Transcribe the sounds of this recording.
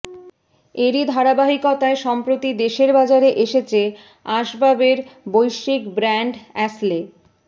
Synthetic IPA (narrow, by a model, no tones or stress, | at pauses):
eɾid̪ʱaɾabaɦikɔt̪aeʃɔmpɾot̪id̪eʃeɾbad͡ʑaɾeʔeʃet͡ɕʰe | aʃbabeɾbojʃikbɾɛɳɖɛsle